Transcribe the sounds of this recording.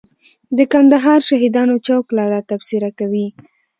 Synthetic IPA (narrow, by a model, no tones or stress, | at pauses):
d̪əkand̪aɦɑɾʃaɦid̪ɑnot͡ʃawklɑɾat̪afsɪɾakawi